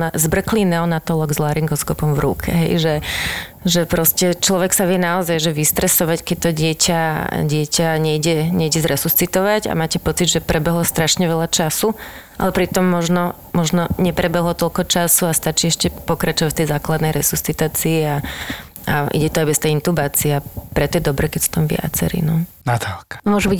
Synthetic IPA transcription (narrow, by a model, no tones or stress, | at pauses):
azbr̩klinɛɔnat̪ɔlɔɡzlaɾiŋɡɔskɔpɔmvɾṵkʰɛ̰ɦɛ̰jʒɛ | ʒɛpɾɔscɛt͡ʃlɔʋɛksaʋɪɛnaɔzajʒɛʋist̪ɾɛsɔʋackɛc̚t̪ɔɟɪɛcʰaɟɪɛcʰaɲɛiɟɛɲɛiɟɛzɾɛsust͡sit̪ɔʋaɟa̰maːcɛpɔt͡sid̪ʒɛpɾʔɛbɛɦlɔst̪ɾaʃɲɛʋɛʎat͡ʃasuʔa̰lɛpɾit̪ɔmːɔʒnɔ | mɔʒnɔɲɛpɾɛbɛɦlɔt̪ɔʎkɔt͡ʃasuast̪at͡ʃiːɛʃcɛpɔkɾat͡ʃɔʋacft̪ɛjzaːklad̪nɛjɾɛsust͡sit̪aːt͡siːa | aʔḭɟɛt̪ɔajbɛst̪ɛjint̪ubaːt͡siɛapɾɛt̪ɔjɛd̪ɔbɾɛkɛcsɔ̥t̪ɔmʋɪa̰t͡sɛ̰ɾḭnɔnat̪alkḁmʊɔʒubic